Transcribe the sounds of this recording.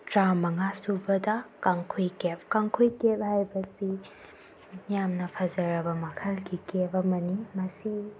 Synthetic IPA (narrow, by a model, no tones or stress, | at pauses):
tɾamɐŋasubɐdɐkaŋkʰujkep̚kaŋkʰujkep̚hajbɐsi | mijamnɐpʰazɐɾɐbɐmɐkʰɐlɡikepɐmɐnimɐsi